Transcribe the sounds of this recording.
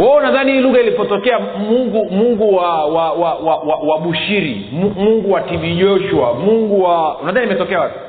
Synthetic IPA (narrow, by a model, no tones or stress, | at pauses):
waunaðanihiːluɣailipɔtɔkɛa | muŋɡumuŋɡuwawawawawawaɓuʃiɾḭ | mumuŋɡuwativiʄɔʃuamuŋɡuwaunaðaniimɛtɔkɛawapi̥